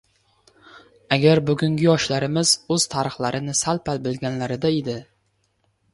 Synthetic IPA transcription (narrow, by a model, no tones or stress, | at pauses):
aɡʲaɾbʊɡʊŋɡʲɪjɒʃlaɾɪmɪz̥ɵz̥t̪ʰaɾɨχlˠaɾɪnɪsalpʰalbɪlɡʲanlaɾɪd̪aed̪ɪ